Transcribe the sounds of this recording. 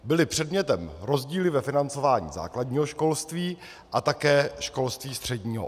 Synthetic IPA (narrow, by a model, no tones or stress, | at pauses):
bɪlɪpr̝̥ɛdmɲɛt̪ɛmɾo̞zɟiːlɪvɛfɪnant͡so̞vaːɲḭːza̰ːklaɟɲiːɦo̞ʃko̞lst̪viː | ʔat̪akɛːʃko̞lst̪viːst̪r̝̥ɛɟɲiːɦo̰